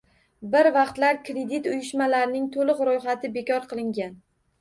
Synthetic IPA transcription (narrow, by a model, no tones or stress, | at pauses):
bɪɾvɑqt̪laɾkʰɾe̞d̪it̪ʊjɪʃmalaɾnɪŋt̪ʰolɨqɾojχat̪ʰɪbekʲɒɾqʰɨlˠɪŋɡʲan